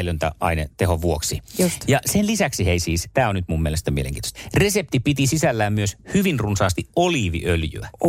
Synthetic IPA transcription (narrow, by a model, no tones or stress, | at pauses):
elønt̪æ̰ʔɑ̰inet̪ehoʋuoksisjɑsenlisæksiheisiːst̪æːonnyt̪mummielest̪æmiḛlḛŋkiːt̪o̥st̪resep̚t̪ipit̪isisælːæːmmyøshyʋinrunsɑːst̪iʔoliːʋḭʔøljy̰æ